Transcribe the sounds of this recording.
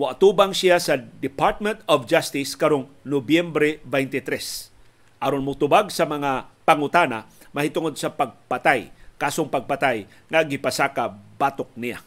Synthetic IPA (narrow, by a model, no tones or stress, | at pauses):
mʊat̪ubaŋsijasad̪ɪpaɹt̪̚mɛnt̪ɔvd͡ʒast̪ɪskaɾoŋnobjɛmbɾɛbɛjnt̪ɪt̪ɾɛs | ʔaɾonmʊt̪ʊbaɡsɐmɐŋapaŋʊt̪ana̰ | mɐhɪt̪ʊŋod̪̚sapaɡ̚pat̪ajkaːsoŋpaɡ̚pat̪aj | ŋaɡɪpasakabat̪ok̚nija̰